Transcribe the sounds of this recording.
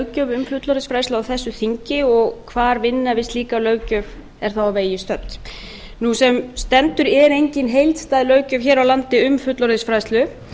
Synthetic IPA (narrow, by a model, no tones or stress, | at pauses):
ɥcœːvʏmfʏt̪lɔɾðɪsfɾajst̪ʏawθɛsːʏθiɲcɪɔɣkʰvaːɾvɪnːavɪst̪liːkalœːɥcœv | ɛɾ̥θawaveːjɪst̪œt̪ | nusɛmst̪ɛnt̪ʏɾɛɾejɲcɪnɦejlt̪st̪ajðɪlœːɥcœvçɛːɾawlant̪ɪʏmfʏt̪lɔɾðɪsfɾaːjslʏ